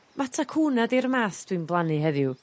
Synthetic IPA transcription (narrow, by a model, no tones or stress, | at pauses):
matʰakʰuːnadiɾmaːθd̥wɨnblˠanɨɦɛðju